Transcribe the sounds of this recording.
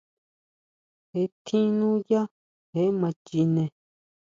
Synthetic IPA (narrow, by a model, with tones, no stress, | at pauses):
he˧˨t̪ʰĩ˦nũ˦ja˦ | he˨˦mã˧t͡ʃi˧nẽ˧